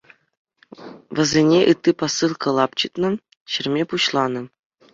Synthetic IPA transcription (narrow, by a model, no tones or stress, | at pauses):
ʋɤ̆zʲenʲeʔɯt̪ʲːiposːɯlˠkɤ̆lˠɑpt͡ɕɯt̪nɤ̆ | ɕɘ̆rʲmʲepuɕlˠɑnɤ̆